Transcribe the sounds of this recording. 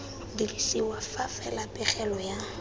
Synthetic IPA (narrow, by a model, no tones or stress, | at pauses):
dirisiwafafɛlapʼɛχɛlɔja